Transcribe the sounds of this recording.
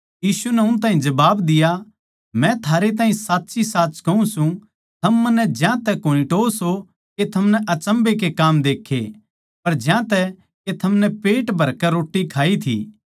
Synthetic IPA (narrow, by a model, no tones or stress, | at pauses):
jiːsunɛʊnt̪̬ãːɦĩd͡ʒɐbaːbd̪ɪja | mɛ̃t̪ʰaːɾet̪̬ãːɦĩsaːtːʃisaːt̪ːt͡ʃkɐũsũ | t̪ʰɐmːɐnːɛd͡ʒjãt̪ɛkoːnĩʈoːso | ket̪ʰɐmnɛʔɐt͡ʃə̃mbek̬ekaːmd̪eːkʰːḛ | pɐɾd͡ʒjãt̪ɛ | ket̪ʰɐmnɛpeːʈbʱɐɾkɛɾoːʈːikʰaːit̪ʰḭː